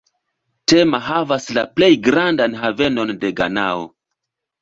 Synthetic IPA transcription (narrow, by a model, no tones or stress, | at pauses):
te̞maɦavaslaple̞jɡɾandanɦave̞no̞nde̞ɡa̰nao̰